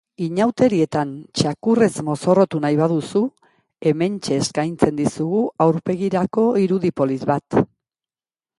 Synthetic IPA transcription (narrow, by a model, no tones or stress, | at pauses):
iɲawt̪e̞ɾie̞t̪ant͡ʃakure̞zmo̞so̞ro̞t̪unajβaðusu | e̞me̞nt͡ʃe̞ːskajnt͡se̞nd̪isuɣuawɾpe̞ɣiɾako̞iɾuðipo̞lizβat̪